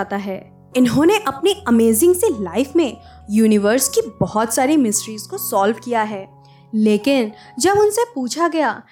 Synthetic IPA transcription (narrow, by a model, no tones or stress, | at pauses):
t̪aɦɛː | ɪnɦõːneʔɐpneɐmeːzɪ̃ŋɡselaːɪfmẽ | juːnɪʋəɾskibɔɦɔt̪saːɾimɪsʈɾiːzkosɔːlʋkijaɦɛː | leːkɪn | d͡ʒɐbʊnsepuːt͡ʃʰaɡɐjaː